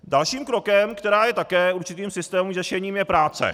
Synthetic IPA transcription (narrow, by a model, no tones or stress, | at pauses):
dalʃiːmkɾokɛmkt̪ɛɾaːjɛt̪akɛːuɾt͡ʃɪt̪iːmsɪst̪ɛːmuŋʒɛʃɛɲiːmjɛpɾaːt͡sɛ̰